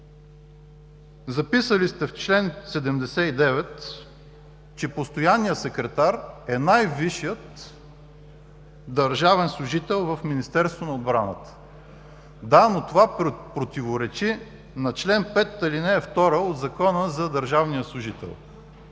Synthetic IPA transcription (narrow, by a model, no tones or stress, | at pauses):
zɐpisəlist̪ɛft͡ʃlɛnsɛd̪ɛmd̪ɛsɛid̪ɛvɛt̪ | t͡ʃɛpost̪ojanːijəsɛkɾɛt̪aɾɛnajviʃijət̪ | d̪əɾʒavɛnslˠʊʒit̪ɛlˠvəfminist̪ɛɾst̪vonɐod̪bɾanə̰t̪ə̥ | d̪anot̪ovapɾot̪ivoɾɛt͡ʃi | nɐt͡ʃlɛnpɛt̪ːəlinɛːft̪ɔɾəod̪zɐkɔnəzɐd̪əɾʒavnijəslˠʊʒit̪ɛ̰lˠ